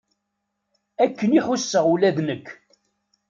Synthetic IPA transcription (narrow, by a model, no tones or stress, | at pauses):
ækːəniħʊsːəʁulæðnəkʰː